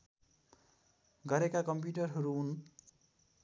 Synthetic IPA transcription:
ɡʌɾekakʌmp̬juʈʌrɦʌɾuːn

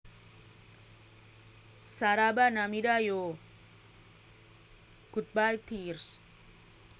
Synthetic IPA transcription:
saɾabanamidajo | ɡ̥ut̪̚bajt̪ʰirs

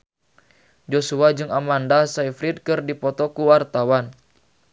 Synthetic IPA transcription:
d͡ʒosuad͡ʒɨŋamandasaifɾit̪̚kɨrdipɔt̪ɔkuwart̪awan

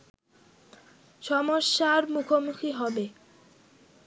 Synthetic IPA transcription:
ʃɔmoʃːaɾmukʰomukʰiɦɔbe

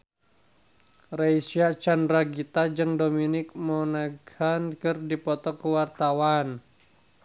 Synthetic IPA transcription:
raisiat͡ʃandraɡit̪ad͡ʒɨŋdominɪk̚mɔnaɡankɨrdipɔt̪ɔkəwart̪awan

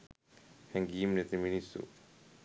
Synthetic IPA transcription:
hɛ̃ŋɡiːmnet̪iminisṵ

